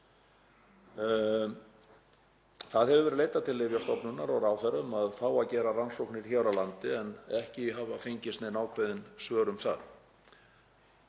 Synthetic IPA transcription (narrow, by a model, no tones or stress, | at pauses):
θaðhɛvʏvɛɾðleːjt̪at̪ʰɪlːɪvjast̪ɔpnʏnːaɾɔɣɾawθɛɾʏmaðfaːwaðcɛːɾaransowknɪɾ̥çawɾawlant̪ɪɛnɛhcɪɦavafejɲcɪst̪nɛnaːwkʰɪðɪnsvœːɾʏmθa̰ð